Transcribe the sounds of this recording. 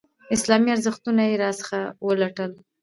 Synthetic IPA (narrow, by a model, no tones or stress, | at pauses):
ɪslɑmiaɾzəxt̪unajeɾɑsə̥xawəlaʈəl